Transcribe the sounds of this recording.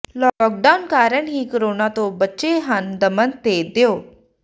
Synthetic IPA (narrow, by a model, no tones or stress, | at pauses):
lɔːk̚ɖaʊnkaːɾəɽɦikəɾoːnaːt̪õːbətːʃeɦənd̪əmənt̪ed̪eoː